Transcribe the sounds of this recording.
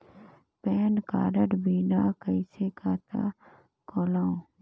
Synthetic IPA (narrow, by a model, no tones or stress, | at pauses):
pɛːnka̰ːɾəʈbʱiːnaːkəɪsekaːt̪a̰ | koːlãːõ